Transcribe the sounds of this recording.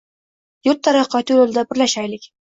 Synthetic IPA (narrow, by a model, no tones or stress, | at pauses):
jʊɾt̪ʰːaɾaqʰɒt̪ulolˠd̪abɪɾlaʃajlɪkʲ